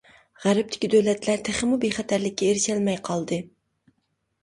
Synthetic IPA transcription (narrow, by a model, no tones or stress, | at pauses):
ʁæɾɪp̚t̪ʰɪ̥kʲid̪øwlɛt̪læɾt̪ʰɪχəmubeχɛt̪ʰæɾlɪkʲːɛeɾʃɛlmɛjqʰɑlˠd̪ɨ